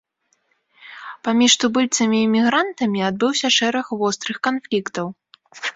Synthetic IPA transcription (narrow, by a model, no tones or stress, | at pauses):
pamʲiʂt̪ubɨlʲt̪sɐmʲiːmʲiɣɾant̪ɐmʲiad̪̚bɨwsʲɐʂɛɾɐxvɔst̪ɾɨxkanflʲikt̪ɐw